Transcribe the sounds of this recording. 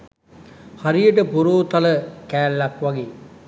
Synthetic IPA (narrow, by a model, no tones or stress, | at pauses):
hɐɾijəʈ̬əpuɾoːt̪ɐləkæːlːɐkʋɐɡeː